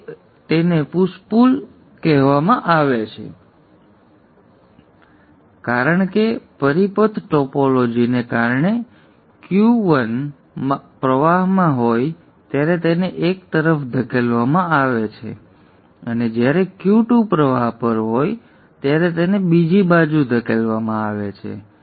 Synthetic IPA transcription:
t̪enepuspul | kɛɦʋamãʔaʋet͡ʃʰḛ | kaɾəɳkepəɾipət̪ʰʈɔpolod͡ʒinekaɾɳe | kjuʋən | pɾəʋaɦmãɦoj | t̪jaɾet̪eneʔekt̪əɾəfd̪ʱəkʰelʋamãaʋet͡ʃʰḛ | əned͡ʒjaɾekjuʈupɾəʋaɦpəɾɦoj | t̪jaɾet̪enebid͡ʒibad͡ʒud̪ʱəkʰelʋamãaʋet͡ʃʰḛ

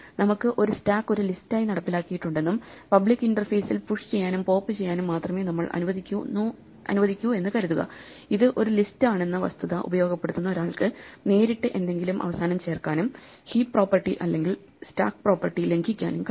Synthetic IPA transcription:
nɐmukːɨʔo̞ɾustaːkːo̞ɾulistaːjinɐɽɐpːilaːkːijiʈːuɳɖe̞nːumpɐbɭikːiɳɖɐrfeːsilpuʂt͡ɕe̞jːaːnumpo̞ːpːɨt͡ɕejːaːnumːaːt̪rɐme̞ːnɐmːɐɭʔɐ̰nuʋɐðikʲːuu | ɐ̰nuʋɐðikʲːue̞nːɨkɐɾuðuɣɐ̰ | iðɨʔo̞ɾulistaːɳe̞nːɐʋɐ̰st̪ʰɐðɐʔṵbɐjo̞ːɡɐpːeɽut̪ːunːɐo̞ɾaːɭkɨne̞ːɾiʈːɨʔe̞nd̪e̞ŋɡilumʔɐ̰ʋɐsaːnɐmt͡ɕe̞ːrkaːnum | hiːppːro̞ːpːɐrʈːiʔɐlːe̞ŋɡil | sta̰ːkpro̞ːpːɐrʈːile̞ŋɡʱikʲːa̰ːnumkɐ

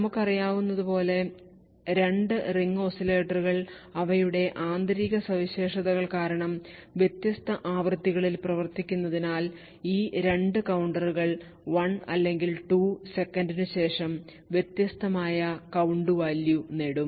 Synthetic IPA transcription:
nɐmukːɐrijaːʋunːɐðupo̞ːle̞ | ɾe̞ɳɖɨriŋːosile̞ːʈːɐruɣɐɭɐʋɐjuɽe̞ʔaːnd̪ɾiːɣɐsɐʋiɕe̞ːʂɐðɐɣɐɭkaːɾɐɳɐmʋje̞t̪jɐst̪ɐʔaːʋrɨt̪ːiɣɐɭilprɐʋɐrt̪ikʲːunːɐðinaːl | iːɾe̞ɳɖɨkɐwɳɖɐruɣɐɭ | ʋɐnɐlːe̞ŋɡilʈuːse̞kːɐnɖinɨɕe̞ːʂɐm | ʋje̞t̪jɐst̪ɐmaːjɐkɐwɳɖuʋaːljuneːɽum

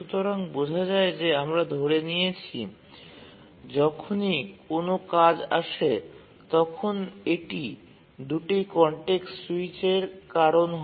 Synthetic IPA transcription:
ʃut̪oɾaŋbod͡ʑʱad͡ʑaed͡ʑeamɾad̪ʱoɾenijet͡ɕʰi | d͡ʑɔkʰonikonokad͡ʑa̰ʃe | t̪ɔkʰoneʈi | d̪uʈikɔɳʈeksuit͡ɕeɾkaɾonɦ

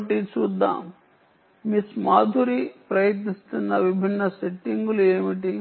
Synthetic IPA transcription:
ʈit͡ʃuːd̪ːa̰ːm | mismaːd̪ʱuɾipɾɐjit̪nist̪unːɐʋibʱinːɐseʈːiŋɡulueːmiʈi

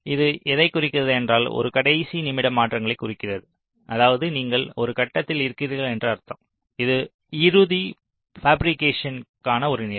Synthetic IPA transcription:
ɪðɯʔɛðɐɪkːʊrɪkːɪrɐðɯɛndraːlɔ̰ɾɯkɐɽɐɪsinɪmɪɽɐmaːʈrɐŋɡɐɭɐɪkːʊrɪkːɪrɐðɯ | ʔɐðaːʋɐðɯniːŋɡɐɭɔɾɯkɐʈːɐt̪ːɪlɪɾɯkːɪɾɯɣɐɭɛndrɯɐɾt̪ːɐ̃m | ɪðɯ | ɪɾɯði | faːbɾɪkːeːʂɐnkaːnɐɔɾɯneː

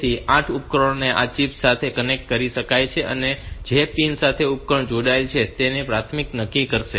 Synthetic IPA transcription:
iʔãʈʰupkɾoɳneʔa̰t͡ʃipsat̪ʰekənek̚ʈ̚kəɾiʃəkajt͡ʃʰeʔə̰ned͡ʒepinsat̪ʰeup̚kəɳd͡ʒoɽajlt͡ʃʰet̪enepɾat̪ʰmiknəkːikəɾʃe

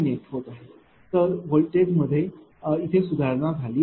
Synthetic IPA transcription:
neʈɦot̪aɦe | t̪əɾʋolʈeɡməd̪ʱːje | it̪ʰesud̪ʱaɾnad͡zʱaliː

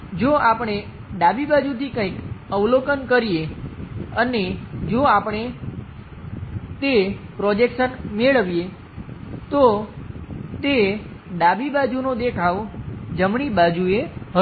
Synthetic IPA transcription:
d͡ʒoapəɳ̃e | ɖabibad͡ʒut̪ʰikə̃ikəʋlokənkəɾie | əned͡ʒoapəɳ̃e | t̪epɾɔd͡ʒekʃənmeɭəʋije | t̪o | t̪eɖabibad͡ʒunod̪ekʰaʋd͡ʒəmɳ̃ibad͡ʒueɦə

